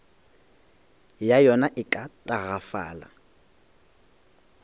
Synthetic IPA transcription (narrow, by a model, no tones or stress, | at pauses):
jajɔnaʔɪkʼatʼaɣafa̰ːla̰